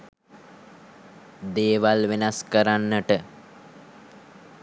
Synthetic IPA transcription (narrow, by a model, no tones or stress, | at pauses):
d̪eːʋalʋenaskəɾanːəʈə